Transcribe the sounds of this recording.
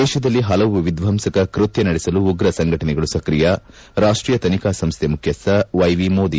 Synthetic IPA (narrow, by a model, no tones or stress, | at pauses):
ɛːʃɐd̪ɐlːiɦɐlɐʋuʋid̪ʋʱɐmsɐkɐkɾut̪jɐnɐɽɛsɐluːɡɾɐsɐŋɡʱɐʈɐnɛɡɐɭusɐkɾijɐ | ɾaːʂʈɾiːjɐt̪ɐnikaːsɐmst̪ʰemukʰjɐsɐʋɐjʋimoːd̪i